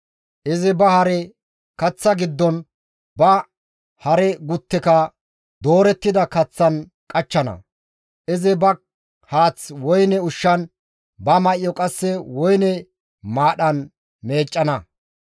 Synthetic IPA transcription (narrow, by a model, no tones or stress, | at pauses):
ʔɪzɪbɐhɐɾɛ | kɐt͡sːɐɡɪd̪ːɔn | bɐ | hɐɾɛɡʊt̪ːɛkɐ | d̪o̞ːɾɛt̪ːɪd̪ɐkɐt͡sːɐn | kʼɐt͡ʃːɐnɐ̰ | ʔɪzɪbɐ | haːt͡swɔjnɛʊʃːɐn | bɐmɐʔɪjɔkʼɐsːɛwɔjnɛ | maːɗɐn | me̞ːt͡ʃʼːɐnɐ